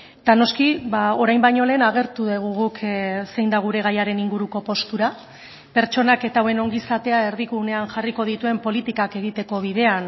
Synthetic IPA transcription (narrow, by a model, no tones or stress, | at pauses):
t̪ano̞skiβao̞ɾajmbajɲo̞le̞ːnaɣe̞ɾt̪uðeɣ̞uɣukse̞jnd̪aɣ̞uɾe̞ɣ̞ajaɾe̞niŋɡuɾuko̞po̞st̪uɾa | pe̞ɾt͡ʃo̞nake̞t̪awe̞no̞ŋɡisat̪e̞ae̞ɾðiɣune̞anʝariko̞ð̞it̪ue̞mpo̞lit̪ikake̞ɣ̞it̪e̞ko̞β̞iðe̞an